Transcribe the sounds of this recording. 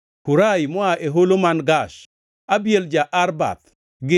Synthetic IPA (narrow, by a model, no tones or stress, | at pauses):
kuɾajmɔaʔeɦolomanɡaʃ | abjeld͡ʒaʔaɾba̰t̪ | ɡɪ